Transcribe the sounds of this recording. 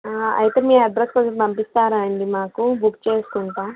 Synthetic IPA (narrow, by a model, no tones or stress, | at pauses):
aːɐ̰jt̪eːmiːɾɐɖɾɐspɾɐd͡ʒɐpɐmpist̪aːɾaːɳɖimaːkubʱukːt͡ʃe̞ːsu̥kuɳʈaː